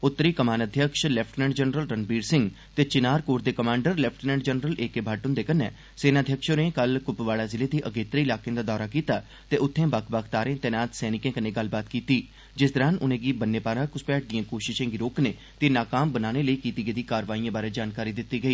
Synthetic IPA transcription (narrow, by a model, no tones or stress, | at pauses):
ʊt̪ːəɾiːkəmaːnəd̪ʱjəkʃlɛpʰʈnɛ̃ːɳɖd͡ʒənɾəlɾənbiːɾsɪ̃ŋɡ | t̪eːt͡ʃɪnaːɾkoːɾd̪eːkəmãːɳɖəɾlɛpʰʈnɛ̃ːɳɖd͡ʒənɾəlʔeːkeːbʱaːʈʊnd̪eːkənḛː | seːnaːd̪ʱjəkʃoːneːkəlkʊpʋaːɽaːzɪleːd̪iːʔəɡeːt̪ɾeːɪlaːkeãːd̪aːd̪ɔːɾaːkiːt̪aː | t̪eːʔʊt̪ʰːẽːbəkʰbəkʰt̪aːɾẽːt̪ɛːnaːt̪sɛːnɪkẽːkənːeːɡəlbaːt̪kiːt̪iː | d͡ʒɪsd̪əɾãːnʊnẽːɡiːbənːeːpaːɾãːkʊspɛːʈ̚d̪ijãːkoːʃɪʃẽːɡiːɾoːkneː | t̪eːnaːkaːmbənaːneːləiːkiːt̪iːɡeːd̪iːkaːɾʋaːijãːbaːɾeːd͡ʒaːnkaːɾiːd̪ɪt̪ːiːɡəiː